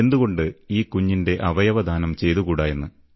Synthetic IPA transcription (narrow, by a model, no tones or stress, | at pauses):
end̪uɣo̞ɳɖɨiːkuɲːinde̞ʔɐʋɐjɐʋɐd̪ʱaːnɐmt͡ɕe̞jt̪uɣuːɽaːje̞nːɨ